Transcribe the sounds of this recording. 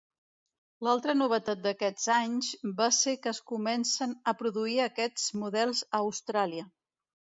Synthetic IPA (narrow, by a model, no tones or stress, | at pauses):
lalˠt̪ɾənuβ̞ət̪at̪̚d̪əkɛd͡zaɲzbasekəːskumɛnsənəpɾuðuiəkɛd͡zmuðɛlˠzəːwst̪ɾaliə